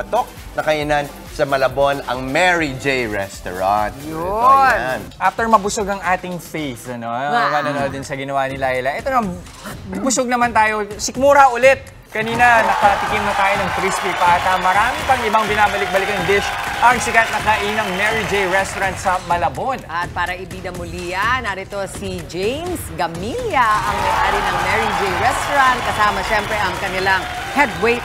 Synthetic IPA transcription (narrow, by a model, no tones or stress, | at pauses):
ɐt̪ok̚ | nɐkɐʔinan | sɐmɐlɐbo̞nɐ̰ŋmɛɹid͡ʒejɹɛst̪o̰ɹa̰nt̪jʊnnʔaft̪ɛɹmɐbʊsoɡɐŋʔaːt̪ɪŋfejθɐno̞ɐmanɐnod̪ɪnsɐɡɪnɐwanɪlahɪlɐʔɛt̪onɐman | ɐɡ̚bʊsoɡ̚nɐmant̪aːjo̞sɪkmuːɾɐʔʊlɛt̪̚ | kɐniːnɐnɐkɐt̪ɪkimnɐt̪aːjo̞nɐŋk̪ɾispipaːt̪ɐmɐɾaːmɪpɐŋɪbaŋbɪnaːbɐlɪk̚bɐlɪkɐŋd̪ɪʃʔɐŋsɪkat̪̚nɐkɐʔinɐŋmɛɹid͡ʒejɹɛst̪oɾɐnt̪̚sɐmɐlɐbo̞d̪ʔɐt̪̚paːɾɐʔɪbid̪ɐmʊliːjɐnaɾɪt̪o̞sid͡ʒejmsɡɐmiljɐʔɐŋnɐɡʔaːɾɪnɐŋmɛɹid͡ʒejɹɛst̪oɾɐnt̪̚kɐsaːmɐʃɛmpɾɛʔɐŋkɐnɪlaŋ | hɛd̪̚wejt̪